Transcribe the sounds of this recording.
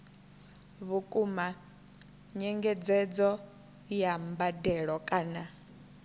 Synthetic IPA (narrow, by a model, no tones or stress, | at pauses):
βukʼuma | ɲɛŋɡɛd͡zɛd͡zɔ | jambadɛɺɔkʼaːna